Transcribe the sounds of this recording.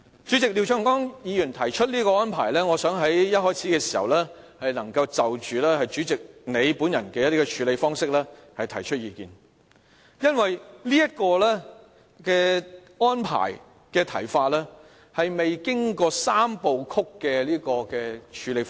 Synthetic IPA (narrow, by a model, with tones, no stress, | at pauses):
t͡ʃyː˨˥t͡sɪ˨k̚li˨˧wt͡ʃʰœː˧˥ŋkɔː˥ŋjiː˨˧jyː˨˩nt̪ʰɐ˨˩jt͡ʃʰɵ˥t̚liː˥kɔː˧ɔː˥npʰaː˨˩jlɛː˥ŋɔ˨˧sœː˨˥ŋɦɐ˨˥jjɐ˥t̚hɔː˥jt͡sʰiː˨˥kɛː˧si̥ː˨˩hɐ˨wlɛː˥hɐ˨jnɐ˨˩ŋkɐ˧wt͡sɐ˨wt͡ʃyː˨lɛː˥hɐ˨jt͡ʃyː˨˥t͡sɪ˨k̚ne˨˧jpuː˨˥njɐ˨˩nkɛː˧jɐ˥t̪i˥kɔ˧t͡ʃʰyː˨˧le˨˧jfɔː˥ŋsɪ˥k̚lɛː˥hɐ˨jt̪ʰɐ˨˩jt͡ʃʰɵ˥t̚jiː˧kḭː˨n | jɐ˥nwɐ˨jliː˥jɐ˥t̚kɔː˧lɛː˥ | kɛː˧ | ɔː˥npʰa̰ː˨˩j | kɛː˧t̪ʰɐ̰˨˩jfaː˧t̚lɛː˥ | hɐ˨jme˨jkɪ˥ŋkɔː˧saː˥mpo˨˧wkʰʊ˥kːɛː˧liː˥kɔː˧kɛː˧t͡ʃʰyː˨˧le˨˧f